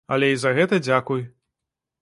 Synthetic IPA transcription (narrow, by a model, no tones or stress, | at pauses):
ɐ̰lʲɛizɐɣɛt̪ɐd͡zʲakuj